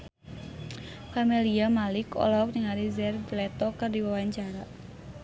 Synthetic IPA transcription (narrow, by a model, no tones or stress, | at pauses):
familiamalɪkɔ̰lɔfniŋaɾizɛrdlɛt̪ɔkɨrdiwawaɲt͡ʃaɾa